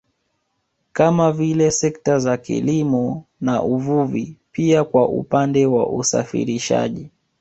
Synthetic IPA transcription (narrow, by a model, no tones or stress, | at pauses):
kamavilɛsɛktazakḭlimɔnaʔuvuvipiakwaʔṵpandɛwa̰ʔusa̰fḭɾiʃa̰ʄi